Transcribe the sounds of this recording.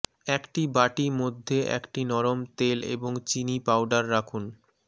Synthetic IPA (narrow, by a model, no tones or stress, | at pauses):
ɛkʈibaʈimod̪ʱːeʔɛ̰kʈinɔɾomt̪elḛboŋt͡ɕinipawɖaɾːakʰun